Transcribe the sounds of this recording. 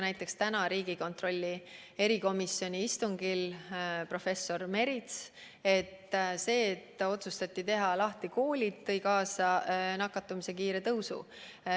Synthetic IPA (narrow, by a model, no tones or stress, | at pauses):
næjt̪ːˑe̞kst̪ænɑɾiːɡ̥iko̞nt̪ro̞lʲːi | e̞ɾiko̞misjo̞nʲiist̪uŋɡilpro̞fe̞sːo̞rme̞ɾit̪s | e̞t̪ːse̞ːt̪ːo̞t̪sust̪ɑt̪ʲːit̪e̞ɦɑlɑht̪iko̞ːlʲit̪t̪ːɤ̞jkɑːsɑnɑkːˑɑt̪ːˑumise̞kiːɾe̞t̪ɤwsṵ